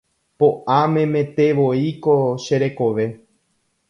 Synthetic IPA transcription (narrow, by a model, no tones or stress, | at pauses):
poʔamẽ̞mẽ̞t̪e̞ʋoiko̞ʃe̞ɾe̞ko̞ʋe̞